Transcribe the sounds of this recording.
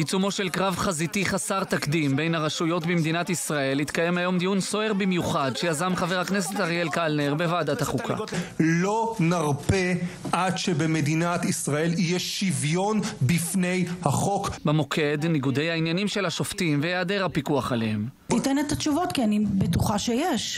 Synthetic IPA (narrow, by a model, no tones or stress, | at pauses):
jit͡sumo̞ʃe̞lkʁavχazit̪iχasaʁt̪akd̪imbejnhaʁaʃujo̞tbimd̪inat̪isʁae̞lhit̪kaje̞mhajo̞md̪ijunsoeʁbimjuχad̪ʃejazamχaveʁaknes̬et̪aʁielkalneʁbe̞vaːdat̪haχukʰa̰lo̞naʁpeʔadʃebemed̪inat̪isʁae̞lijeʃivjo̞nbifne̞jhaχo̞kbemo̞kʰe̞dniɡudejhainjanimʃe̞lhaʃo̞ftimvejeade̞ʁhapikuaχalehemt̪itenet̪at͡ʃuvot̪kianibetuχaʃejeʃ